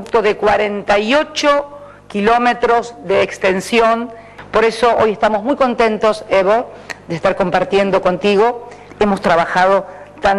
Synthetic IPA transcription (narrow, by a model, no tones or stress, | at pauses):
k̚t̪oðekwaɾent̪ajot͡ʃo | kilo̞met̪ɾo̞zðeːkst̪ensjon | po̞ɾe̞so̞ʔojest̪amozmujko̞nt̪ẽnt̪o̞seβo | d̪est̪aɾko̞mpaɾt̪je̞nd̪o̞kont̪iɣo̞ | emost̪ɾaβaxað̞o̞ | t̪an